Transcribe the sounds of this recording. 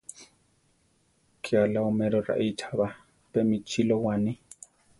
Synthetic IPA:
kʰʼɪalaʊmɛɾɔra̰ʔitʰaba | pʼɛmɪt͡ʃʰilɔwaːnɪ

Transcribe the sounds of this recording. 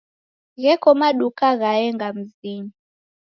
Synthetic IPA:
ɣɛkɔmaɗukaɣaɛŋɡam̩ziɲi

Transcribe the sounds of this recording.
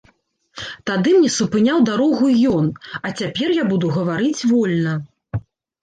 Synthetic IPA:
t̪ad̪ɨmnʲɛsupɨnʲawd̪aɾɔɣujɔnɐt͡sʲapʲɛrjabud̪uɣɐvaɾɨt͡sʲvɔlʲnɐ

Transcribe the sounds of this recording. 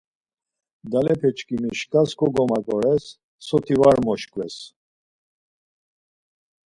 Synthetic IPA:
d̪alɛpʰɛt͡ʃkʰʼimiʃkʰʼaskɔɡɔmakʼɔɾɛsː | ɔt̪ʰivaɾmɔʃkʰʼwɛs

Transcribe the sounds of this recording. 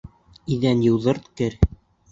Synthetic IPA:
iðænjɤ̆wðɤ̆ɾt̪kɘɾ

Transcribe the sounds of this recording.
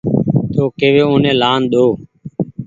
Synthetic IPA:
t̪oːkeːʋeːõːnẽːlaːnɗ̪oː

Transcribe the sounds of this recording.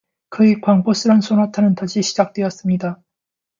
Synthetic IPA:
kɯikwaŋbos͈ɯɾansʰonatʰanɯntaɕʰiɕʰid͡ʑak̚t͈we̞ʌs͈ɯmɲida

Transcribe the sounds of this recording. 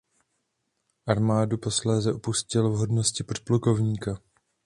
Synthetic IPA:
ʔaɾmaːdupo̞slɛːzɛʔopuscɪlvɦo̞dno̞scɪpotpluko̞vɲiːka

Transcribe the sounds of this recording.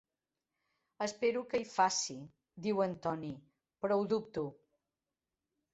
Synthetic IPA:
əspeɾukəifasi | d̪iwənt̪ɔni | pɾɔwðup̚t̪u

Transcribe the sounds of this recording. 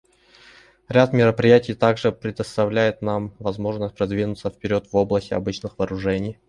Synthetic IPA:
ɾʲat̪mʲɪɾəpɾʲɪjætʲɪjt̪aɡʐɨpɾʲɪd̪əst̪ɐvlʲæjɪt̪namvɐzmo̞ʐnəsʲt̚ʲpɾɐd̪vʲinʊt̪səfpʲɪɾʲo̞t̪vo̞blˠəsʲtʲɪɐ̰bɨt͡ɕnɨxvɐːɾʊʐɛnʲɪj

